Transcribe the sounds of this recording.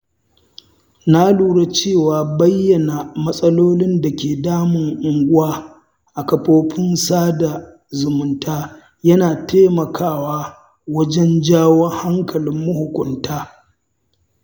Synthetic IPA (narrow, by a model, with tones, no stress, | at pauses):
na˦luː˦˨ɽa˦t͡ʃeː˦˨waː˨bɐ˦jːɐ˨na˨mɐ˦sʼɐ˦loː˦lɪ˦nda˨kʲeː˨daː˦mɪ˨ŋʔʊ˨ŋɡʷʊ˦waː˦ | ʔa˨kɐ˨poː˦ɸʰɪ˦nsaː˦da˨ | zʊ˨mʊ˦ntaː˦ | jɐ˦naː˨teː˦mɐ˨kʰaː˦˨waː˦ | wɐ˦d͡ʒɛ˦nd͡ʒaː˦wɔ˦ŋha˦ŋkɐ˨lɪ˦mːʊ˦hʊ˨kʷʊ˨ntaː˦